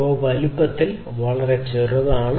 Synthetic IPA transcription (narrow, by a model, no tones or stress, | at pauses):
oːʋɐlupːɐt̪ːil | ʋɐɭɐre̞t͡ɕirɐʋaːɳ